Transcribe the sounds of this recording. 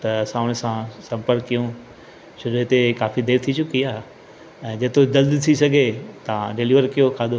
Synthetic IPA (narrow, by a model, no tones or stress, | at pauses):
t̪ɐɐsãːʊɽ̃sãsɐ̃mpəɾkːijũ | ʃʊɾɦɪt̪ekaːfid̪eːɾt̪ʰit͡ɕʊkiaːɦ | ɛ̃ːd͡ʑeːt̪od͡ʑɐld̪t̪ʰisɐɡʱet̪ɐãɖeliʋəɾkijokʰaːd̪o